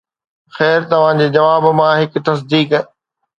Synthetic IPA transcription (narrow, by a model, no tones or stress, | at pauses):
xɛːɾt̪ɐʋ̤ãd͡ʑeːd͡ʑɐʋaːbmãɦɪkt̪ɐs̬d̪iːk